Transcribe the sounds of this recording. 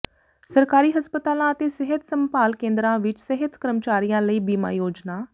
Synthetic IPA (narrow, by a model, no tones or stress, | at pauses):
səɾkaːɾiːɦəspət̪aːlãːət̪eːsəɦət̪ʰsəmpaːlkẽːnd̪ɾãːʋɪt͡ʃsəɦət̪kəɾəmt͡ʃaːɾijãːləiːbiːma̰ːjoːd͡ʒnaː